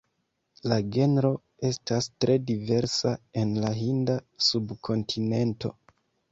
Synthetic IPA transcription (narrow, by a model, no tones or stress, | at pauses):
laɡe̞nɾo̞ | e̞stastɾe̞dive̞ɾsae̞nlaɦindasubkʰo̞ntʰine̞nto̞̰